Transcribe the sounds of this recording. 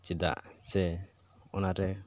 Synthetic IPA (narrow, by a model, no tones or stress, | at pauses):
t͡ʃid̪a̰ʔsɛ | ɔnaɾɛ